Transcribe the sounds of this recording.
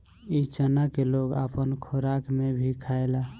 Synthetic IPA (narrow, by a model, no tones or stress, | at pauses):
it͡ʃənakeloɡa̰pənkʰoɾakmebʱikʰaela